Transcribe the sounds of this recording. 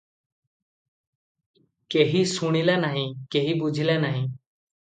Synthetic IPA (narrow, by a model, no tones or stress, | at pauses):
keɦisuɽ̃ilanaɦĩkeɦibud͡ʒʱilanaɦĩ